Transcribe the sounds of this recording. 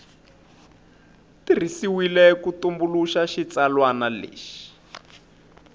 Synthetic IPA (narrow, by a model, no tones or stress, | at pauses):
tir̤isiwilɛkutumbuluʃaʃit͡salwanalḛːʃi̥